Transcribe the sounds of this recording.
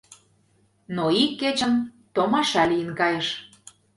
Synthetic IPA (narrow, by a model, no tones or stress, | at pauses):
noikːet͡ɕə̆nt̪omɑʃɑlijənkɑjəʃ